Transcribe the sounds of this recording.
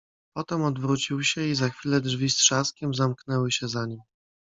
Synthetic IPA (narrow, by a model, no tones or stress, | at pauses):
pɔt̪ɛmɔd̪vɾut͡ɕiwɕɛizaxfʲilɛdʐvʲistʂaskʲɛmzamknɛwɘɕɛzaɲim